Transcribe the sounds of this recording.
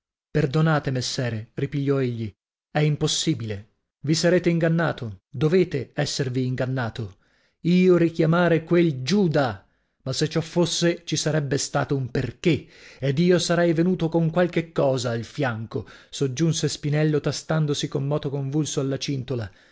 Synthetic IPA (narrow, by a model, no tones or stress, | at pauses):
perd̪onaːt̪emesːɛːɾeripiʎːɔeʎːi | ɛimposːiːbile | visaɾeːt̪eiŋɡanːaːt̪od̪oveːt̪eɛsːerviːŋɡanːaːt̪o | iːoɾik̟jamaːɾekweld͡ʒuːd̪a | masːet͡ʃːɔfːosːet͡ʃisaɾɛbːest̪a̰ːt̪oumperkeed̪iːosaɾɛjvenuːt̪okoŋkwalkekːɔːzailfjaŋkosod͡ʒːunsespinɛlːot̪ast̪and̪osikomːɔːt̪okoɱvulsoalːat͡ʃint̪ola